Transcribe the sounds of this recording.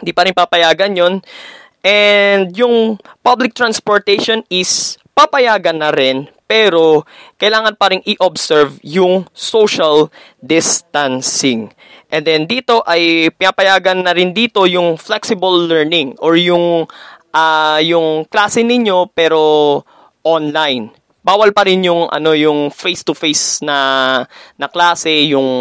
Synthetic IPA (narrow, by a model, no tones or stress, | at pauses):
ɪnd̪iːpɐɾɪnpapɐjaːɡɐnjo̞n | ʔɛnd̪̚jʊŋpablɪk̚t̪ɾanspoɹt̪ɛʃonɪspapɐjaːɡɐnːɐɾɛnpɛːɾo̞kɐjlaːŋɐnpaɾɪŋʔɪʔobsɛɹvjʊŋsoʃal | d̪ɪst̪ansɪŋ | ʔɛ̃nd̪ɛnd̪iːt̪o̞ʔɐjpɪnapɐjaːɡɐnːɐɾɪnd̪iːt̪o̞jʊŋflɛksɪbɐlːɛɹnɪŋʔoɹjʊŋʔajʊŋklaːsɛnɪɲo̞pɛːɾo̞ | ʔonlajn | baːwɐlpɐɾɪnjʊŋʔɐ̰no̞jʊŋfejst̪ʊfejsnɐ | nɐklaːsɛjʊŋ